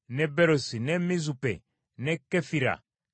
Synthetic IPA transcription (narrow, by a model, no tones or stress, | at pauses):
nɛbɛɾosinɛmizupɛ̰ | nɛkɛfiɾa̰